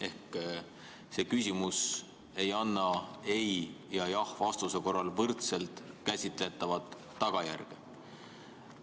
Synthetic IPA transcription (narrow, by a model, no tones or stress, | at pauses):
e̞hk | se̞ːkysʲimus | e̞jɑnːɑe̞jjɑjɑhvɑst̪use̞ko̞rːɑlvɤrt̪se̞lt̪ˑkæsʲit̪ˑle̞t̪ːˑɑvɑt̪ː | ɑɡ̥ɑjæ̰rɡ̥e